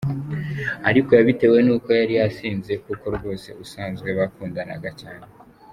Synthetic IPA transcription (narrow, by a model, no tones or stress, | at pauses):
aɾiko̞jaβite̞we̞nuːko̞jaɾiasiːnze̞kuːko̞ɾɡo̞ːse̞̰usaːnzɡwe̞βakuːndana̰ɡacaːne